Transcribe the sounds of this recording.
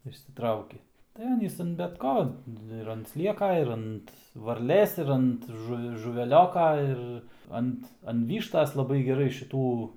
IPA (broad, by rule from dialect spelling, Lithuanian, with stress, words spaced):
ɪʃʲsʲɪˈtrɐʊkʲɪ tɐɪ ˈɑːnʲiːs ɐn bʲɛt ˈkoː tɐɪ ɪr ɐnt ˈsʲlʲiɛkɐ ɪr ˈɐnt ʋɐrʲˈlʲeːs ɪr ˈɐnt ʒʊ ʒʊʋʲɛˈlʲoːkɐ ˈɪr ˈɐnt ɐn ˈʋʲiːʃtɐs lˠɐˈbɐɪ ɡʲɛˈrɐɪ ʃʲɪˈtuː